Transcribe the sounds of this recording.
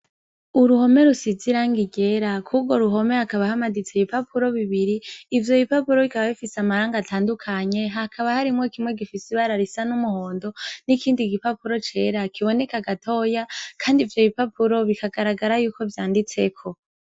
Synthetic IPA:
uɾuho̞me̞ɾusiziɾaŋɡiɡe̞ɾakʰub̚ɡo̞ɾuɦo̞me̞hakaβahamaɡit͡se̞βipapʰuɾo̞βiβiɾiːvjo̞βipapuɾo̞βikaβaβifiseamaɾaːŋɡatʰaːndukʰaɲe̞ɦakʰaβahaɾimŋo̞kimŋe̞ɡifisiβaɾaɾisanumuho̞ːndo̞nikiːndiɡipapuɾo̞t͡ʃe̞ːɾakʰiβo̞ne̞kaɡatʰo̞ːjakʰaːndivjo̞βipapuɾo̞βikaɡaɾaɡaɾajuːko̞vjaːndit͡se̞kʰo̞

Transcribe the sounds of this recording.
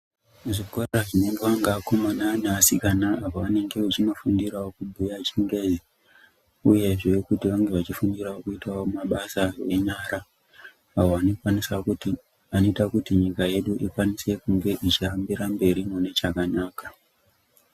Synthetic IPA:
ʐikoraʐine̞ŋɡe̞ʋaŋɡaːko̞mananaːsikanaːpoʋane̞ŋɡe̞ʋat͡ʃino̞fundirawo̞kubʱujat͡ʃiŋɡe̞zi | uje̞ʐekutiʋaŋɡe̞ʋat͡ʃifundiraokuitawo̞maɓasawe̞ɲaɾaː | ʋo̞ʋano̞kwanisakuti | ano̞itakutiɲikaje̞ɗuʔikwanise̞kuŋɡe̞ʔit͡ʃiambiɾambe̞ɾimune̞t͡ʃakanaːka

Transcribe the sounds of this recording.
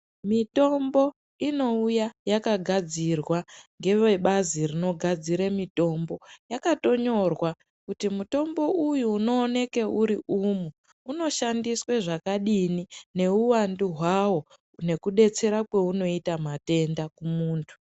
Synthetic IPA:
mito̞mbo̞ | ino̞ujajakaɡʱad͡zirwaŋɡe̞ʋeɓazirino̞ɡʱad͡ziɾamito̞mbo̞jakato̞ɲo̞rwa | kutimuto̞mbo̞ʔujuːno̞ːne̞ke̞ʔuɾiʔuːmu | uno̞ʃandisweʐakaɗinine̞uwanduɦwawo̞ | ne̞kuɗe̞t͡se̞ɾakwe̞uno̞itamate̞ndakumuːntʰu̥

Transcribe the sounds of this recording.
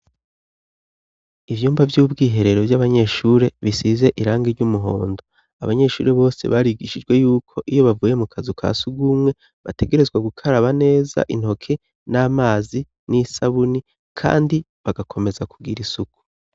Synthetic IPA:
ivjuːmbavjuːbɡiːɦe̞ɾe̞ɾo̞vjaβaɲe̞ʃuːɾe̞βisize̞ʔiɾaːŋɡeɾɟumuɦo̞̰ːndo | aβaɲe̞ʃuːɾeβo̞ːse̞̰βaɾiɡiʃid͡ʒɡwe̞juːkʰo̞ʔijo̞βavuːje̞mukʰazukʰa̰ːsuɡumŋe̞ | βa̰te̞ɡe̞ɾe̞zɡwaɡukʰaɾaβane̞ːza̰ʔin̥ho̞kʰe | naːmaːzi | nisaβuni | kʰa̰ːndi | βaɡakʰo̞me̞zakuɡiɾisuku̥

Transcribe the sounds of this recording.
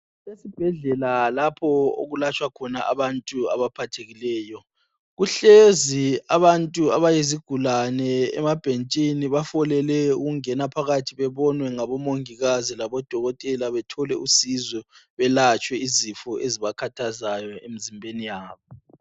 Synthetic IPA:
lesib̥ʱɛɮɛlalapʰɔo̰ɣulat͡ʃʼwakʰɔnaʔa̰βantʼua̰βapʰatʰeɣilɛːjɔ | ɣuɬeziaβantʼuaβajeziɡ̥ʱulanɛɛ̰mab̥ʱent͡ʃʼiniβafɔlɛlɛṵɣuŋɛnapʰaɣatʰiβɛβɔnwɛŋaβɔmoŋiɣazilaβɔd̥ʱɔɣɔtʼɛlaβɛtʰɔlɛusizwɛβɛlat͡ʃʼwɛizifɔʔeziβakʰatʰazajɔem̩zimbʱenijaːβɔ

